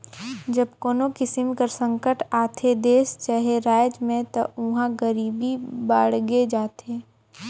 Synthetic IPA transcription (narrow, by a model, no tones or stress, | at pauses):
d͡ʒəbkoːnokɪsɪmkəɾsə̃ŋkəʈaːt̪ʰed̪eːst͡ʃaɦeɾaːjd͡ʒmẽt̪ouɦãɡəɾiːbibaːɽɡed͡ʒaːt̪ʰeː